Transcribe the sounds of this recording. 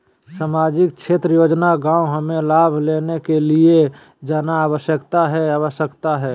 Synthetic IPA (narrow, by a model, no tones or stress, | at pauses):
saːmaːd͡ʒɪk̚t͡ʃʰeːt̪ɾəjoːd͡ʒnaɡãːuɦəmẽlaːbʱleːnekelie | d͡ʒaːnaaːwəʃjəkt̪aɦɛaːwəʃjəkt̪aɦɛː